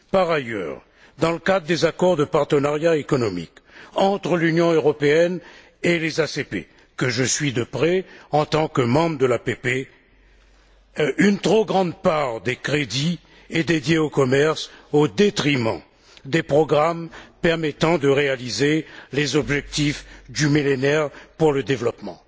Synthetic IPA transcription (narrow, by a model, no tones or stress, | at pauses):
paʁajœ̰ʁ | d̪ɑ̃ləkad̪ʁəd̪ezakɔʁd̪əpaʁt̪ənaʁjaekɔnɔmḭkɑ̃t̪χəlynjɔ̃øʁɔpeɛn | elezasepḛ | kəʒəsɥid̪əpχɛɑ̃t̪ɑ̃kəmɑ̃bʁd̪əlapepe | ynt̪χoɡʁɑ̃d̪paʁd̪ekχed̪i | ɛd̪ed̪jeokɔmɛʁsod̪et̪χimɑ̰̃ | d̪epχɔɡʁampɛʁmɛt̪ɑ̃d̪əʁealizelezɔbʒɛk̚t̪ifd̪ymilenɛʁpuʁləd̪evlɔpmɑ̰̃